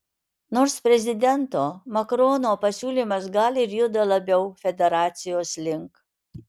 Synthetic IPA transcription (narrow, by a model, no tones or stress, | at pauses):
noːɾspʲɾʲɛzʲɪd̪ʲɛnt̪oːmɐkɾoːnoːpɐsʲuːlʲiːmɐsɡɐlʲɪɾʲjʊd̪ɐlˠɐbʲɛʊfʲɛd̪ʲɛɾɑːt̪sʲɪjoːslʲɪŋk